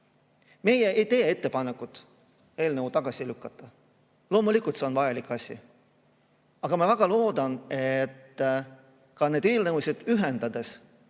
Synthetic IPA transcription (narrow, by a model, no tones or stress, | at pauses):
me̞jeʔejt̪e̞ːe̞t̪ːe̞pɑne̞kːˑut̪ˑ | e̞ːlneut̪ɑɡ̥ɑsʲilykːˑɑt̪ːˑɑ | lo̞ːmulikːˑult̪se̞o̞nvɑjɑlikːˑɑsʲḭ | ɑɡ̥ɑmɑvæɡ̥ɑlo̞ːd̪̥ɑnet̪ː | kɑne̞d̪eːlneusʲed̪̥yɦend̪̥ɑd̪̥e̞s